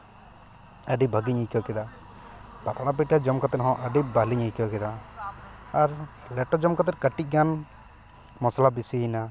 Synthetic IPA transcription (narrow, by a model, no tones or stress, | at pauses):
əɖibʱaɡiɲikɔkɛd̪a | pat̪aɽap̬iʈad͡ʒɔmkat̪ɛɦɔ̃ʔəɖibaliɲijkɔkɛd̪aː | ɾ | lɛʈɔd͡ʒɔmkat̪̬ɛtkəʈic̚ˀɡan | mɔslabisiɦina